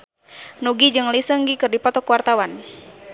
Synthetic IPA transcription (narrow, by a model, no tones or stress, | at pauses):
nuɡid͡ʒɨŋlisəŋɡikɨrdipɔt̪ɔkwart̪awan